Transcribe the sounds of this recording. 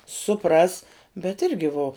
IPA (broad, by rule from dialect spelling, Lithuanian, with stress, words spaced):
sʊˈprɐs bʲɛt ˈɪrʲɡʲɪ ʋoː